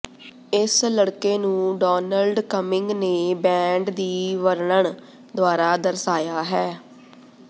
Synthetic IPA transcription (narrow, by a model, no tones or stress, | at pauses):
ɪsləɽkeːnũːɖɔːnəlɖkəmɪŋɡneːbɛ̃ːɳɖd̪iːʋəɾɳəɳ | d̪ʊaːɾaːd̪əɾsaːjaːɦɛː